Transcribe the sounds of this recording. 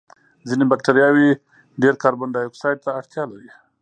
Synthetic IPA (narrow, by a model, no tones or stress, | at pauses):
zinebak̚ʈaɾjɑwe | ɖeɾkɑɾbaɳɖajoksɑjʈ̚t̪aːɽt̪jɑlaɾi